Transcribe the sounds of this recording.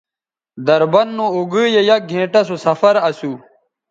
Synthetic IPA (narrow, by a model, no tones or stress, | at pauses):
d̪ɐɾbɐnːũuɡɨːjejɐk̚ɡʱẽːʈɐsusɐfɐɾɐsu